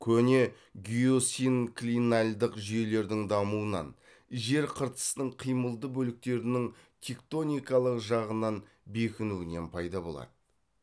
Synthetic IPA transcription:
kʲʰɵne̞ | ɡʲijo̞sinklʲinalʲd̪ɪqʒʏje̞le̞ɾd̪ɪŋd̪ɑmuənɑ̰n | ʒe̞ɾqʰəɾt̪ə̥st̪əɴqʰijməlˠd̪əbɵlɪk̚t̪e̞ɾɪnɪŋt̪ʲʰe̞kt̪o̞nʲijkɑlˠəqʒɑʁənɑn | be̞kʲɪnuɪne̞npʰɑjd̪ɑbo̞̰lˠɑ̰d̪ə

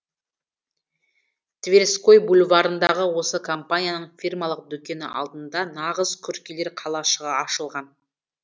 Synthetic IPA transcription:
t̪ʰvʲeɾsko̞jbulʲvɑɾənd̪ɑʁəwo̞səkʰompanʲijanəɴfʲirmɑlˠəq̚d̪ɵkʲe̞nɪ̰ʔɑ̰lˠd̪ənd̪ɑnɑʁəzkʲʰɵɾkʲele̞ɾqʰɑlˠɑʃəʁɑɑʃəlˠʁɑn

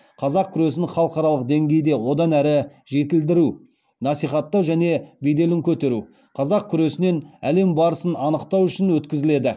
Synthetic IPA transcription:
qʰɑzɑq̚kʲʰʏɾe̞sɪnχɑlˠəqɑɾɑlˠəq̚d̪e̞ŋɡʲe̞jd̪e̞wo̞d̪ɑnæɾɪʒe̞t̪ɪld̪ɪɾu | nɑsijχɑt̪ːɑwʒæne̞bejd̪e̞lɪŋkʲʰɵt̪e̞ɾu | qʰɑzɑq̚kʲʰʏɾe̞sɪne̞næle̞mbɑɾəsənɑnəqt̪ɑwʏʃɪnwɵt̪kʲɪzɪle̞d̪ɪ

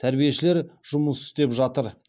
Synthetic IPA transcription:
t̪ʰæɾbije̞ʃɪle̞ɾʒ̥ʊməsʏ̥st̪e̞pʒɑt̪əɾ

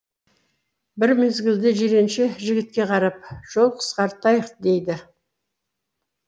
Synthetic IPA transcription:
bɪɾme̞zɡʲɪld̪ɪʒeɾe̞nʃeʒɪɡʲɪt̪̚kʲe̞qʰɑɾɑp̚ʒ̥o̞lˠqʰə̥sqɑɾt̪ɑjəqd̪e̞jd̪ɪ

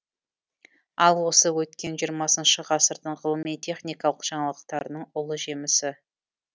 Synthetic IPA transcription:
ɑlˠwo̞səwɵt̪kʲe̞nʒijəɾmɑsənʃəʁɑsəɾd̪əɴʁəlˠəmijt̪ʲʰe̞χnʲijkɑlˠəqʒ̥ɑɴɑlˠəq̚t̪ɑɾənəɴʊlˠəʒe̞mɪsɪ

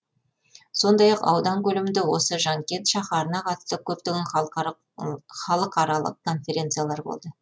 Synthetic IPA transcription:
so̞nd̪ɑjɑqɑ̰wd̪ɑŋkʲʰɵlɪmɪnd̪ɪwo̞səʒɑŋkʲe̞t̪ʃɑχɑɾənɑqʰɑt̪ə̥st̪əkʲʰɵp̚t̪ɪɡʲɪn | χɑlˠəqʰɑɾɑlˠə̰qkʰːo̞nfʲe̞ɾʲe̞nt̪sɨjalˠɑɾbo̞̰lˠd̪ə

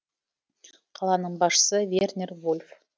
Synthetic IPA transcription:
qʰɑlˠɑnəɴbɑsʃə̥səvʲernʲervolʲf

